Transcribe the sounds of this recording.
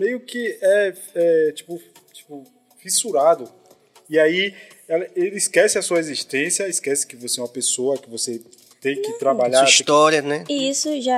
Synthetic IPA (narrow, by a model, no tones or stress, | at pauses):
mejʊkɪɛ | ɛt͡ʃi̥pʊ | t͡ʃi̥pʊ | fisuɾad̪ʊ | iai | ɛlɐelɪːskɛsɪɐsuɐeziʃt̪ẽsjɐiskɛsɪ̥kɪvoseɛũmɐpesoɐkɪvose | t̪ẽj̃kɪt̪ɾabaʎsaɾiʃt̪ɔɾjɐnɛiisʊʒa